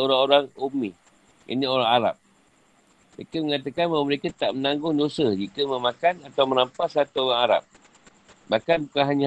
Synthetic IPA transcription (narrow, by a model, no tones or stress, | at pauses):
oɾaŋoɾaŋumi | ḭnioɾaŋaɾa̰p̚ | məɾekəməŋat̪akanbməɾekat̪aʔmənaŋɡʊŋdosəhd͡ʒikəməmakanat̪awməɾampasat̪uoɾaŋaɾa̰p̚ | bakanpəkaɦaɲa